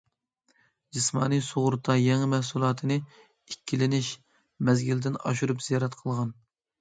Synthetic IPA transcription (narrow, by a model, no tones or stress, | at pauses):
d͡ʒismɑ̰ːnijsoʁʊɾt̪ʰɑjɛŋmɛhsulˠɑːt̪ʰɨnɨ | ikʲʰːilɪnɪʃ | mɛzɡʲild̪ɪnɑ̰ʃuɾupz̥ijɑɾɛt̪qʰəlˠʁɑn